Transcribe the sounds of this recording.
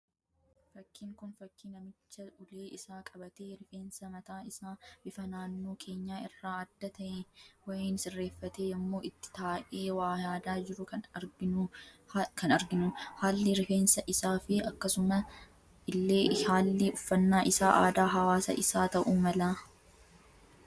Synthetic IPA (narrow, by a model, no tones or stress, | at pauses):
fɐkʰːiːŋkʊnfɐkːinɐmɪt͡ʃːɐʊleːʔɪsaːkʼɐbɐt̪eːɾɪfeːnsɐmɐt̪aːɪsaːb̥ɪfɐnaːnːoːkʰe̞ːɲːaːɪrːaːɐd̪ːɐt̪ɐʔewɐjeːnsɪrːe̞ːfːɐt̪eːjɐmːo̞ːɪt̪ːɪ̥t̪aːʔeːwaːjaːd̪aːd͡ʒɪɾʊkɐnɐɡɪ | kɐnɐɾɡɪnʊhaːlːɪɾɪfe̞ːnsɐʔɪsaːfɪɐkːɐsʊmɐ | ɪlːeːhaːlːɪʊfːɐnːaːʔɪsaːʔaːd̪aːɦɐwaːsɐ̰ʔɪsaːt̪ɐʔuːmɐlaː